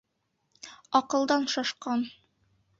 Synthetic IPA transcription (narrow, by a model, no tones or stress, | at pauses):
ɒqɤ̆lˠd̪ɑnʃɒʃqɑn